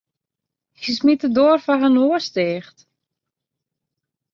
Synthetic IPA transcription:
kismitədoərfaɦənoəsteːxt

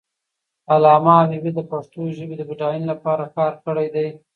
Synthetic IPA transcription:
alɑmabibid̪əpaʂt̪oʒəbed̪əbiʈɑjinlapɑɾakɑɾkəɽajd̪aj

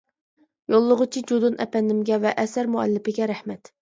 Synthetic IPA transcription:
jolˠːʊʁʊt͡ʃʰid͡ʒud̪unɛ̰pɛnd̪ɪmɡʲɛvɛʔɛsæɾmuæ̰lːɪpɪɡʲɛɾæhmɛt̪

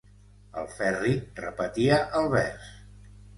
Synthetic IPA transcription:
ə̰lˠfɛrirəpət̪iəʔəlˠβɛs

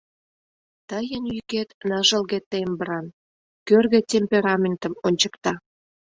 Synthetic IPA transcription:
t̪ɑjənjyket̪nɑʒəlɣet̪ːembəɾɑn | kørɣĕtʲemʲpʲeɾɑmʲent̪ə̆monʲt͡ɕə̥kt̪ɑ

